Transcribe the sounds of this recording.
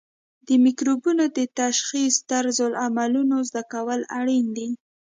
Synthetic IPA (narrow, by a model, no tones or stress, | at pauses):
d̪əmikɾubunod̪ət̪aʃxist̪aɾzolamalunozd̪akawəlaɽind̪i